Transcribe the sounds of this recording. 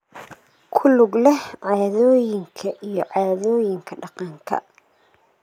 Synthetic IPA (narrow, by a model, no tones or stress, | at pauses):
kʰʊlʊɡlɛʕɑːðɔːjɪŋkʰɐʔijɞʕɑːðɔːjɪŋkʰɐɖɑqɑːŋkʰɐ̰